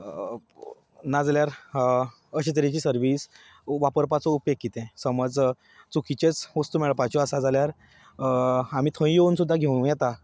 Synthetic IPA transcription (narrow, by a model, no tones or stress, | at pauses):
nad͡zljaɾ | əɕet̪̬əɾit͡ɕiːsəɾʋiːs | ʋapəɾpat͡sɔupekːit̪ɛ̃səməd͡z | t͡sukʰit͡ɕet͡sʋəst̪uːmɛɭpat͡ɕjɔasad͡zaljaɾ | amiːt̪ʰə̃j̃jeunsud̪ʱːaɡʱewũjɛt̪a